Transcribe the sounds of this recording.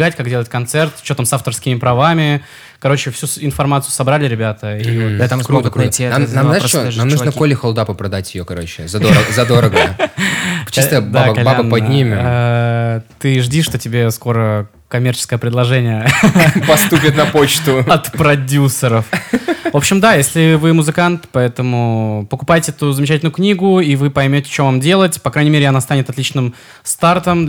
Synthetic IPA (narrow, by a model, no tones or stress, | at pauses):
ɡatʲkaɡdʲe̞lˠətʲkɐnt̪sɛrt̪t͡ɕːot̪amsaft̪ərskʲɪmʲɪpɾɐvamʲɪ | kɐɾo̞t͡ɕɪfsʲusɪnfɐrmat̪sɨjʊsɐbɾalʲɪɾʲɪbʲat̪əioɛt̪akɾuɡknamnamznaɪʂoamnunəkolʲɪxolˠd̪apəpɾɐd̪atʲjɪjokɐɾo̞t͡ɕɪzɐoɾəzɐd̪oɾəɡə | t͡ɕːist̪əbd̪aaɐlʲabənːpɐdnʲimʲa | t̪ɨʐdʲiʂt̪otʲɪbʲe̞sko̞ɾə | kɐmʲe̞rt͡ɕɪ̥skəjəpɾʲɪd̪lˠɐʐɛnʲɪjəpɐst̪upʲɪt̪nɐpo̞t͡ɕt̪ʊɐt̪pɾɐdʲusːəɾəfvo̞pɕɪmd̪ajesʲlʲɪvɨmʊzɨkant̪pɐɛt̪əmʊpəkʊpajɪtʲɪɛt̪ʊzəmʲɪt͡ɕætʲlʲnʊjʊknʲiɡʊivɨpɐjmʲotʲɪ̥t͡ɕovamdʲe̞lˠətʲpɐkɾanʲɪmʲeɾɪɐnast̪anʲɪt̪ɐt̪lʲit͡ɕnɨm | st̪art̪əm